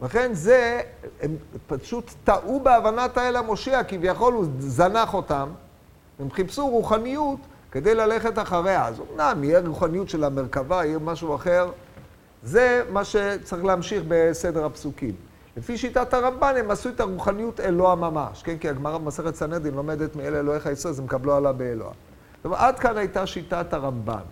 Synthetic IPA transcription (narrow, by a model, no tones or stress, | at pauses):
laχe̞nzeempaʃut̪ːaʔubeavanat̪aelamoʃeakivjaχo̞luzanaχo̞tam | emχipsuʁuχanijut̪ | ke̞d̪e̞jlale̞χe̞t̬aχaʁea̰zo̰mnamijeʁuχanijutʃe̞lameʁkavaijemaʃuaχe̞ʁ | ze̞maʃe̞t͡saʁiχleamʃiχbe̞sedeʁhapsukḭm | le̞fiʃitataʁambane̞masuet̪aʁuχanijute̞loamamaʃkenkiaɡmaʁabemase̞χet̪saned̪inlo̞me̞d̪e̞t̪mielelo̞heχajisozemkablualabeːlo̰a̰ | tomaad̪kanhajtaʃitataʁamba̰n